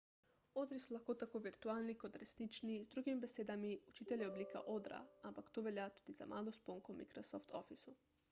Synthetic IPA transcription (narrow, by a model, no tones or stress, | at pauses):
od̪ɾisulaxkot̪akoːʋiɾt̪uaːlnikod̪ɾesnit͡ʃnizd̪ɾuɡimibeseːd̪amiut͡ʃiːt̪elʲjiobliːka̰ʔod̪ɾa̰ampakt̪oʋɛljat̪uːd̪iza̰mʔaːlospoŋkomḭkɾosoft̪ʰo̰fisu